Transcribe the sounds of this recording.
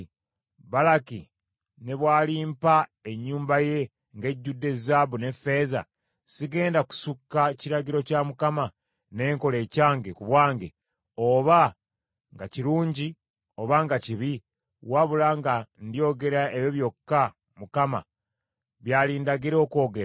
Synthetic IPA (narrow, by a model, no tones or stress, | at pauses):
βalakḭ | ne̞βwaːliːmpae̞ɲːuːmbaje̞ | ŋɡe̞ɟːudːe̞zabune̞fe̞ːza̰ | siɡe̞ːndaku̥sukːaciɾaɡiɾo̞camukama | ne̞ːŋko̞le̞ːcaːŋɡekuβwaːŋɡe̞ | oβa | ŋɡaciɾuːɲɟi | o̞βaŋɡaciβi | waβulaŋɡandio̞ːɡe̞ɾaʔejoβjo̞kːa | mukama̰ | βjaːliːndaɡiɾo̞ːko̞ːɡe̞ɾa